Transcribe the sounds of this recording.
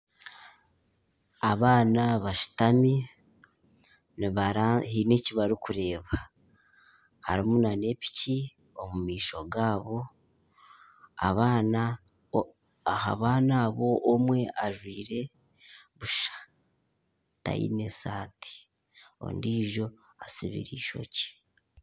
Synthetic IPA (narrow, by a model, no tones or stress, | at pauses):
aβaːnaβaʃu̥tami | niβaɾaɦineciβaɾikuɾe̞ːβa | ha̰ɾimunane̞pi̥ci | o̞mumiːʃo̞ɡaːβo̞ | a̰βaːna | ha̰βaːnaːβo̞ʔːmwe̞ʔaʒwiːɾe̞ | βuʃḁ | ta̰jḭne̞saːti̥ | o̰ndiːʒo̞ | asiβḭɾiːʃo̞̰ci̥